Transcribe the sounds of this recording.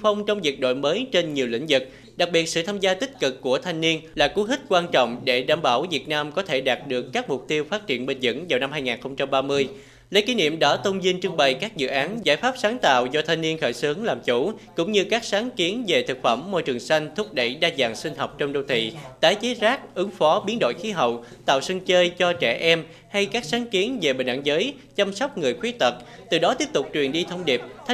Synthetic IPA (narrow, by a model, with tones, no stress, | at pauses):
fə˧wŋ͡mt͡ɕɔ˧wŋ͡mvi˨˩ət̚ɗo̰˧˨jməː˨˦jt͡ɕe˧nɲi˨˩əwlḭ̈˧˥ŋ̟zɨ˨˩k̚ | ɗa˨˩k̚ɓi˨˩ət̚sɨ̰˧˨t̪ʰaː˧mzaː˧t̪ï˦˥k̟̚kɨ˨˩kːu˧˩ət̪ʰa˧jŋ̟ni˧ənlaː˨˩ku˨˦ɦï˦˥t̟̚kwaː˧nt͡ɕɔ̰˧˨wŋ͡mɗe˧˩ɗa̰ː˧˩mɓaː˧˩wvi˨˩ət̚naː˧mkɔ˨˦t̪ʰe˧˩ɗaː˨˩t̚ɗɨ˨˩əkːaː˦˥k̚mʊ˨˩k͡p̚t̪i˧əwfaː˦˥t̚t͡ɕi˧˩ənɓï˨˩ŋ̟zɨ̰˧˥ŋvaː˨˩wna˧mɦaː˧jŋaː˨˩nxə˧wŋ͡mt͡ɕa˧mɓaː˧mɨ˧əj | lə˨˦jki˨˦nḭ˧˨əmɗɔ˨˦t̪ə˧wŋ͡mzi˧nt͡ɕɨ˧əŋɓə˨˩jkaː˦˥k̚zɨ̰˧˨ʔaː˨˦nzaː˧˩jfaː˦˥p̚saː˨˦nt̪a̰ː˧˨wzɔ˧t̪ʰa˧jŋ̟ni˧ənxəː˧˩jsɨ˨˦əŋlaː˨˩mt͡ɕu˧˩kʊ̰˧˥ŋ͡mɲɨ˧kaː˦˥k̚saː˨˦nki˨˦ənve˨˩t̪ʰɨ˨˩k̚fə˧˩mːo̰˧jt͡ɕɨ˨˩əŋsa˧jŋ̟t̪ʰʊ˦˥k͡p̚ɗə̰˧˩jɗaː˧zaː˨˩ŋsï˧ŋ̟ɦɔ˨˩wk͡p̚t͡ɕɔ˧ŋ͡mɗo˧wt̪ʰḭ˧˨t̪aː˨˦jt͡ɕe˨˦zaː˦˥k̚ʔɨ˨˦ŋfɔ˨˦ɓi˨˦ənɗo̰˧˨jxi˨˦ɦə̰˧˨wt̪a̰ː˧˨wsi˧ŋt͡ɕəː˧jt͡ɕɔ˧t͡ɕɛ˧˩ʔɛ˧m | ha˧jkaː˦˥k̚saː˨˦nki˨˦ənve˨˩ɓï˨˩ŋ̟ʔa̰˧˥˩ŋzəː˨˦j | t͡ɕa˧msɔ˦˥wk͡p̚ŋɨ˨˩əjxwi˨˦ət̪ə˨˩t̚ | t̪ɨ˨˩ɗɔ˨˦t̪i˦˥əp̚t̪ʊ˨˩k͡p̚t͡ɕwi˨˩ənɗi˧t̪ʰə˧wŋ͡mɗi˨˩p̚t̪ʰ